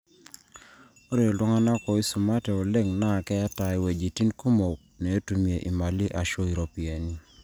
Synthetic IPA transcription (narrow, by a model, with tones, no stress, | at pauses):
o˦ɾe˦˨ɔ˨lwɔ˦ŋa˦na˦kɔ˨i˦su˨ma˦tɛ˨o˨le˦ŋna˦˨kɛ˦ja˦ta˨i˨we˨d͡ʒi˨ti˦nko˦mo˨k̚nɛ˨o˦tu˨mje˨ʔi˨ma˨li˦ʔa˨ʃo˦i˨ɾo˦pi˨e˨ni˦